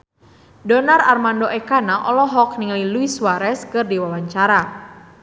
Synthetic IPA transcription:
dɔnararmandoʔɛkanaʔɔlɔɦɔk̚niŋliluiswaɾɛskɨrdiwawaɲt͡ʃaɾa

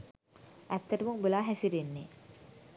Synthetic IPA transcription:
ʔæt̪ːɐʈɐmuŋbulaːɦæsiɾenːe

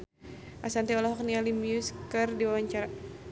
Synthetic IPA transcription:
ʔasant̪iɔlɔɦɔk̚nialimjuskərdiwawaɲt͡ʃaɾa

